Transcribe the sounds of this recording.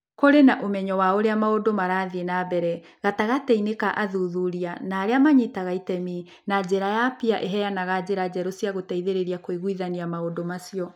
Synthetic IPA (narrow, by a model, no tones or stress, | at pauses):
koɾenaʔomɛɲɔwaoɾeamaodomaɾaðenabɛɾɛ | ɣataɣatɛinekaʔaðuðuɾianaːɾeamaɲitaɣaitɛmi | nad͡ʑeɾajapiaʔeɦɛjanaɣad͡ʑeɾad͡ʑɛɾosijaɣotɛiðeɾeɾiakoiɣwiðaniamaodomasiɔ